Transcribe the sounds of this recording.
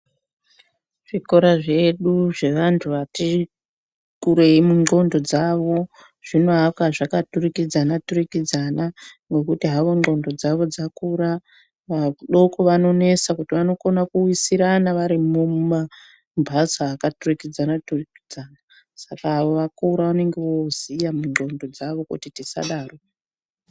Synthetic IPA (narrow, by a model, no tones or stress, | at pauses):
ʐ̥ikoɾaʐe̞ɗuʐe̞ʋantʰuʋati | kuɾe̞imuŋo̞ndo̞d͡zaʋo̞ | ʐ̥inoɦapkwaʐakaturikid͡zanaturikid͡zanaŋɡe̞kutiɦaʋo̞ŋo̞ndo̞d͡zaʋo̞d͡zakuɾa | ʋauɗoko̞ʋano̞ne̞sakutiʋano̞ko̞nakuwisiɾanaʋaɾimumuma | mbʱasaːkaturikid͡zanaturiki̥d͡zana | sakaːʋoʋakuɾaʋane̞ŋɡe̞wozijamuŋo̞ndo̞d͡zaʋo̞kṵtitisa̰ɗaːro̞